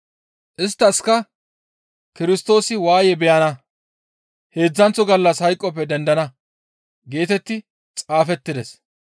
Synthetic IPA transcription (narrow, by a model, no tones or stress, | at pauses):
ʔɪst̪ːɐskɐ | kɪɾɪst̪o̞ːsɪwaːjɛbɛjɐnɐ | he̞ːd͡zːɐnt͡sːɔɡɐlːɐshɐjkʼːɔp̬ːɛd̪ɛnd̪ɐnɐ | ɡe̞ːt̪ɛt̪ːɪ | t͡sʼaːfɛt̪ːɪd̪ɛ̰s